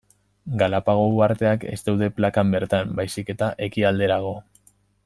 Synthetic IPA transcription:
ɡalapaɣ̞o̞uaɾt̪e̞ake̞̰zt̪ewðe̞plakambe̞ɾt̪ambajsike̞t̪aʔe̞kiald̪e̞ɾaɣ̞o̞

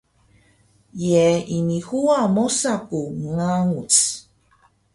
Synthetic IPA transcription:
jɛinihuamosakuŋaŋut͡s

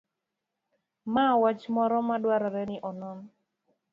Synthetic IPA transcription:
mawat͡ʃmɔɾɔmadwaɾaɾɛnɪʔɔnɔn

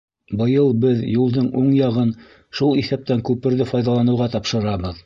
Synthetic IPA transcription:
bɤ̆jɤlˠbɘðjulˠd̪ɤɴuɴjɑʁɤn | ʃulˠiθæp̚t̪æŋkʉpɘ̆ɾðɘfɑjðɑlˠɑnɤ̆wʁɑt̪ɑpʃɤ̆ɾɑbɤð

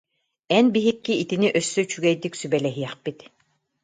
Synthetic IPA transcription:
ɛnbiɦikːiit̪iniʔœsːyt͡ɕyɡɛjd̪iksybɛlɛɦijɛχpit̪

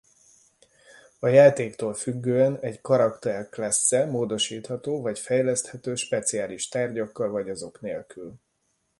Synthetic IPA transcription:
ɒjaːt̪eːkt̪oːlfyɡːøːɛnɛɟkɒɾɒkt̪ɛrklɛsːɛmoːd̪o̞ʃiːt̪hɒt̪oːvɒcfɛjlɛst̪hɛt̪øːʃpɛt̪siaːliʃt̪aːrɟɒkːɒlvɒɟɒzo̞kneːlkyl

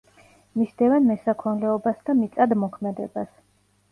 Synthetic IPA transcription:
misd̪ɛvɛnmɛsakʰɔnlɛɔbasd̪amit̪sʼad̪mɔkʰmɛd̪ɛ̰bas

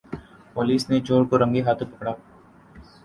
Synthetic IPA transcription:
poːliːsned͡ʒoːɽkoɾɐ̃ŋɡiɦaːt̪ʰõpɐkɽaː

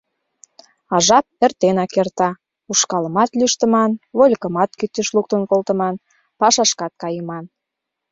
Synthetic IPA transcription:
ɑʒɑp̚ert̪enɑkert̪ɑ | uʃkɑləmɑt̪lyʃt̪ə̆mɑnβolʲkə̆mɑt̪̚kyt̪ːəʃluk̚t̪ənkolt̪ə̆mɑn | pɑʃɑʃkɑt̪̚kɑjəmɑn

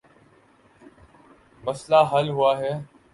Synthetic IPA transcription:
məslaɦəlɦʊaːɦɛː

